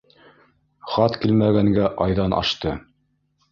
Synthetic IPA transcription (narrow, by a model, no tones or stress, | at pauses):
χɑt̪kilmæɡæŋɡæʔɑjðɑnɑ̰ʃt̪ɤ